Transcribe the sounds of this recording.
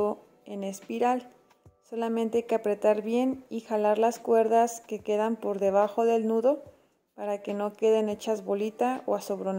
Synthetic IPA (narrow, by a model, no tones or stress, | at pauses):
o | e̞ne̞spiɾal | so̞lamẽ̞nt̪ekapɾe̞t̪aɾβje̞nixalaɾlaskwe̞ɾðaske̞ke̞ðampo̞ɾðe̞β̞axo̞ðe̞lnuðo̞ | paɾake̞no̞ke̞ðe̞ne̞t͡ʃazβo̞lit̪ao̰aso̞βɾon